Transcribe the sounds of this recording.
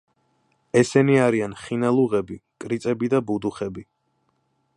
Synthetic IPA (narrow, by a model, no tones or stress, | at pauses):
ɛsɛniaɾianχinalˠuʁɛbikʼɾit̪sʼɛbid̪abud̪uχɛbi